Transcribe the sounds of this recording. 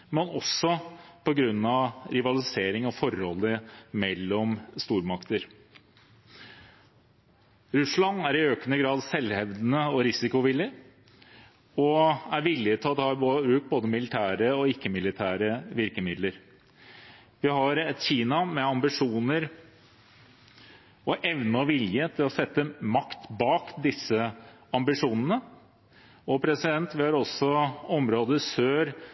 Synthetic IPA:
mɛnɔsɔpʰɔɡɾʉnːɑʋɾɪʋɑlɪseːɾɪŋɔfɔɾhɔlːəmɛlːɔmst̪uːɾmɑkt̪əɾ | ɾʉslɑnːæɾɪøːkənəɡɾɑːd̪sɛlhɛʋd̪nəɔɾɪsɪkʊʋɪlːɪ | ɔæɾʋɪlːɪt̪ʰɔt̪ɑbʉːk̚boːd̪əmɪlɪt̪ʰæːɾəɔɪkːəmɪlɪt̪ʰæːɾəʋɪɾkəmɪd̪ləɾ | ʋɪɦɑɾɛt̪çiːnɑmɛɑmbɪʂuːnəɾ | ɔʔɛʋnəɔʋɪljət̪ʰɪlɔsɛt̪ːəmɑkt̪bɑːkd̪ɪsːə | ɑmbɪʂuːnənə | ɔpʰɾɛsɪd̪ɛnt̪ʋɪhɑɾɔsɔɔmɾoːd̪əsøːɾ

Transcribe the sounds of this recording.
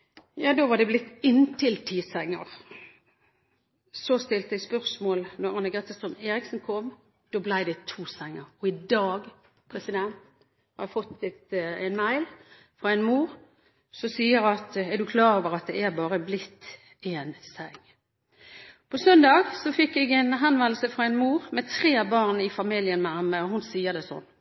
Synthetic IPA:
jɑːd̪oːʋɑd̪ɛblɪt̪ːɪnt̪ʰɪlt̪ʰiːsæŋːəʁ | sɔst̪ɪlt̪d̪ɛɡspœʁsmoːlnɔʁɑnːəɡʁɛt̪əst̪ʁœmeːɾɪksnkʰɔm | d̪̥oːblæɪd̪ɛt̪ʰuːsæŋːəɾɔɪd̪ɑːɡ | pʰʁɛsɪd̪ɛnt̪ | hɑɾʁjæfɔt̪ːɪt̪æɪnmæɪl | fɾɑɛɪnmuːʁ | sɔsiːəɾɑt̪ɛʁd̪ʉkʰlɑːɾoːʋəʁɑt̪̚d̪ɛæɾbɑːɾəblɪt̪ː | eːnsɛŋː | pʰɔsœnd̪ɑːɡsɔfɪkːɛɡɛnɦɛnʋɛnl̩səfɾɑɛnmuːʁmɛt̪ʰɾeːbɑːʁnɪfɑmiljənmæɑməɔhʊnsiːəɾd̪ɛsɔ̰nː

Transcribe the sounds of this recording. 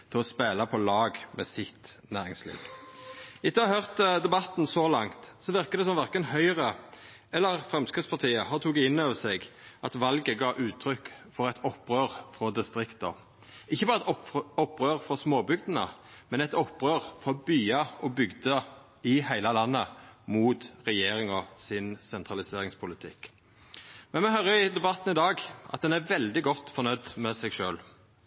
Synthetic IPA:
t̪ʰɪɛlɔspeːlɑpʰɔlɑːɡmɛːsɪt̪næːʁɪŋslḭːɡ̥ | ɪt̪ːəɑhœʁt̪d̪ɛbɑt̪nsɔlɑŋt̪sɔʋɪʁkəd̪ɛsɔmʋæʁkənhœʏʁə | ɛlːəʁfʁɛmskɪtspʰɑʁt̪ʰiːəhɑt̪ʰuːɡɪnøːʋəsɛɡʔɑt̪ʋɑlɡəɡɑːʔʉːt̪ʰɾʏkːfɔʁɛɪt̪ɔpːʁøːʁfʁɔd̪ɪst̪ɾɪkt̪ə̰ | ɪçːəbɑːɾʁɛt̪ɔɔpːʁøːʁfɔsmoːbʏɡd̪ənə̰mɛnɛt̪ɔpːʁøːʁfɔbyːɑɔbʏɡd̪ə | ɪhæɪlɑlɑnːəmuːt̪ʁɛjeːɾɪŋɔsɪnsɛnt̪ʰʁɑlɪseːɾɪŋspʰʊlɪt̪ʰɪkː | mɛnmɛɦœɾəɪd̪ɛbɑt̪ːnɪd̪ɑːɡʔɑ̰t̪̚d̪ɛnæɾʋɛld̪ɪɡɔt̪ːfɔɾnœʏd̪mɛsɛɡʃøːl

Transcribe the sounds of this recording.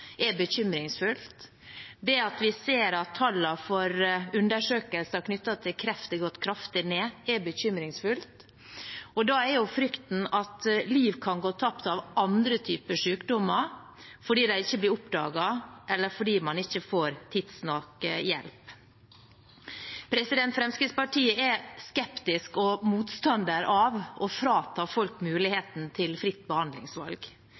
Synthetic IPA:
ʔɛbəɕʏmɾɪŋsfʉlt̪ | d̪ɛɑt̪ʋɪseːɾɑt̪ʰːɑlːɑfɔɾʉnd̪əʂøːkəlsæɾkʰnʏt̪ːɑt̪ʰɪlkʰɾɛft̪ɪɡɔt̪ːkʰɾɑft̪ɪneːɛɾbəɕʏmɾɪŋsfʉlt̪ | ɔd̪ɑɛɾjʊfɾʏkt̪n̩ɑt̪liːʋkʰɑnɡoːt̪ʰɑpt̪ɑʋɑnd̪ɾət̪ʰyːpəʂʉːkd̪ɔmːəɾ | fɔɖiːd̪æɪɪçːəblɪɾʊpd̪ɑ̰ːɡɑʔɛlːəɾfɔɖiːmɑnɪçːəfoːɾt̪ʰiːd̪snɑkjɛ̰lp | pʰɾɛsɪd̪ɛnt̪fɾɛmskɾɪd̪spɑʈʰiːəɛskɛpt̪ɪskɔmuːt̪st̪ɑnd̪əɾʔɑʋɔfɾɑːt̪ʰɑːfɔlkmʉːlɪheːt̪n̩t̪ʰɪlfɾɪt̪ːbəhɑnd̪lɪ̰ŋsʋɑ̰lɡ

